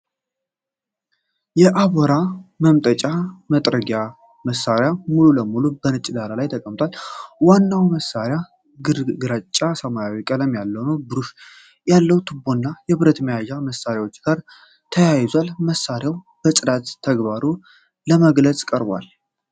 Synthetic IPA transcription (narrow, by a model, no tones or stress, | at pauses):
jɛʔaβoɾaməmt̪ʼət͡ʃʼamət̪ʼɾəɡa | məsːaɾjamululəmulubənɨt͡ʃʼːɪd̪alalajt̪ʰəkʼəmt̪ʰʼwalwanːawməsːaɾja | ɡɨɡɨɾat͡ʃʼːasəmajawikʼələmjalːəwnəwbɨɾuʃ | jalːəwt̪ʰɨbːonːajɛbɨɾət̪məjaʒaməsːaɾjawot͡ʃːɡ̥aɾ | t̪ʰəjajɪzʷalməsːaɾjaw | b̥əsʼɨd̪at̪ʰːəɡbaɾu | ləməɡlət͡sʼkʼəɾbwa̰l